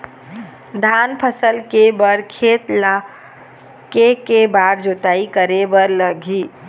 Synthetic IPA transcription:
d̪ʱanpʰəsəlkebəɾkʰet̪la | kekebaɾd͡ʒot̪aikəɾebəɾləɡʱi

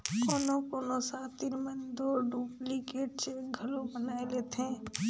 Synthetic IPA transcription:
koːnokoːnosaːt̪iɾmə̃nd̪oɖuːplikeːʈ̚t͡ʃeɡʱəlobənaːeleːt̪ɦɛ̃

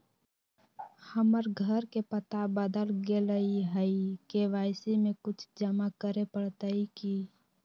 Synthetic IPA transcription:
həməɾɡʱəɾkepət̪abəd̪əlɡeləiɦəikeʋaːɪsimẽkʊt͡ʃʰd͡ʒəmakəɾepəɽt̪əiki

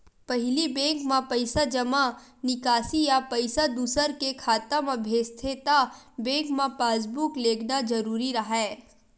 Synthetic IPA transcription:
pɐɦlibɛ̃ːŋkmãpɐɪsad͡ʒɐmanɪkaːsijapɐɪsad̪uːsəɾkekʰaːt̪əmɐbʱjeːst̪ʰet̪abɛ̃ːŋkmãpaːs̬bukleːɡnad͡ʒɐɾuːɾiɾɐɦɛː

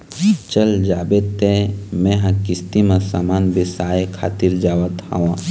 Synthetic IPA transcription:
t͡ʃəld͡ʒaːbet̪emɛ̃ɦãkɪst̪imesaːmaːnbɪsaːjkʰa̰ːt̪iɾd͡ʒaːʋət̪hã̰ʋã

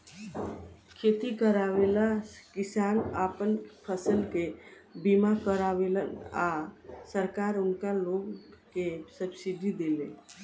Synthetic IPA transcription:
kʰeːt̪ikəɾaːwelakɪsaːnaːpənpʰəsəlkebimakəɾaːwelənasəɾkaːɾʊnkaloːɡkesəbsiɖid̪eːlẽ

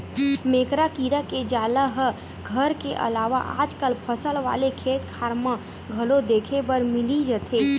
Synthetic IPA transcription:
meːkɾakiːɾaked͡ʒaːləɦə | ɡʱəɾkeʔə̰laːʋa̰ʔa̰ːd͡ʒkəlpʰəsəlʋa̰ːlekʰeːt̪kʰaːɾmã | ɡʱɐlod̪eːkʰebəɾmɪlid͡ʒət̪ʰeː

